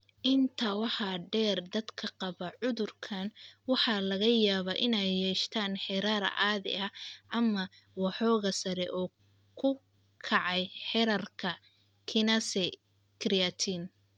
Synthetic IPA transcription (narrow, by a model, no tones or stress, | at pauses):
ʔɪnt̪ʰɐwɑħɑːɖɛːrd̪ɐd̪kʰɐqɑβɐʕʊðʊrkʰɐnwɑħɑlɐɣɐjaːβaʔɪnɛjːɛːʃt̪ʰaːnħɛɾaɾɐ̰ʔaːðɪ̰ʔɐʔɐmɐ | wɑħɔːɣɐsɐɾɛʔɔː | kʰʊ | kʰɑʕɑjħɛɾɐrkʰɐ | kʰɪnɐsɛ | kʰɾijat̪ʰiːn